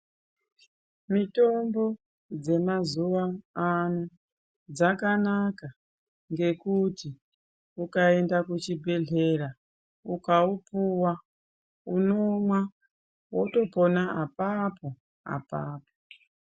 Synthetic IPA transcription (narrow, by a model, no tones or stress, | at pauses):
mito̞mbo̞ | d͡ze̞mazuʋaanu | d͡zakanaka | ŋɡe̞kuti | ukae̞ndakut͡ʃibʱe̞ɮe̞ɾa | ukaupuwa | unomwa | woto̞ponaapapo̞ | a̰paːpo